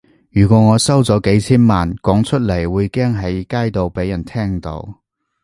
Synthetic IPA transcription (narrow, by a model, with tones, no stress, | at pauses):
jyː˨˩kʷɔː˨˧˥ŋɔː˨˧sɐ˥wt͡sɔː˨˥ke˨˥jt͡sʰiː˥nmaː˨nkɔː˨˥ŋt͡ʃʰɵ˥t̚le˨˩jwuː˨˧jkɛː˥ŋɦɐ˨˥jkaː˥jt̪o˨˧wpe˨˥jɐ˨˩nt̪ʰɛː˥ŋt̪o̰˨˧w